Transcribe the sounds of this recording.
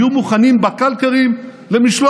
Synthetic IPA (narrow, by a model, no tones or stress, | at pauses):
umuχanimbakalkaʁim | lemiʃla